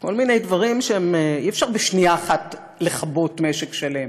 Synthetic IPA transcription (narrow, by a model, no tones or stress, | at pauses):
ko̞lminejdvaʁimʃeemiefʃaʁbeʃniaːχat | leχabotmeʃekʃalem